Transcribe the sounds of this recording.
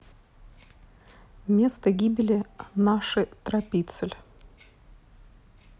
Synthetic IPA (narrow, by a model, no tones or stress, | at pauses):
mʲe̞st̪əɡʲibʲɪlʲɪnaʂɨt̪ɾɐpʲit̪sɨlʲ